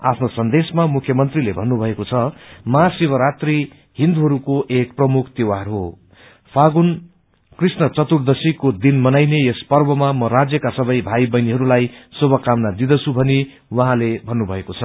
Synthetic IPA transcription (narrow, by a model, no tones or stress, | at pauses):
a̰pʰnosʌnd̪esmamukʰjʌmʌnt̪rilebʱʌnːubʱʌekot͡sʰʌmʌɦasibʌɾat̪ri | ɦind̪uɦʌɾukoʔek̚prʌmukʰt̪ewarɦo | pʰaɡun | krisnʌt͡sʌt̪urd̪ʌsikod̪inmʌnajneespʌrbʌmamʌɾad͡zjʌkasʌbʌjbʱajbʌjniɦʌɾulajsobʌkamnad̪id̪ʌt͡sʰubʱʌne | wʌɦãlebʱʌnːubʱʌekot͡sʰʌ